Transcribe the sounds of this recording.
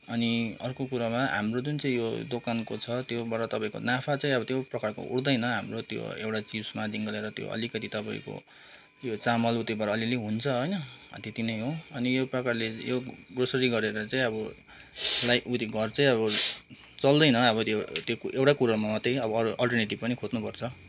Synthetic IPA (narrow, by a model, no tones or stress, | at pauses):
ʌniʌrkokuɾamaɦa̰mrod͡zunt͡saĩjod̪okankot͡sʰʌt̪jobaɾʌt̪ʌpaĩko̰napʰat͡saĩʌβʌt̪joprʌkarko̰ṵɽd̪ʌjnʌɦamrot̪jo̰ḛwʈat͡sismad̪iŋɡʌleɾʌt̪jo̰ʌ̰likʌt̪it̪ʌpaḭ̃ko̰ | jot͡samʌlut̪obaɾaːlileɦunt͡sʰʌɦʌjnʌʌ̰t̪et̪inʌjɦõʌnijoprʌkarlejoɡrosʌɾiɡʌɾeɾʌt͡sãĩʌbʌ | lajut̪iɡʱʌrt͡saĩʌβʌ | t͡sʌld̪ʌjnʌʌβʌt̪jot̪jokʔewʈakuɾamamʌt̪ːejʌbʌʌɾuʔʌlʈʌrneʈib̚pʌnikʰod̪nupʌrt͡sʰʌ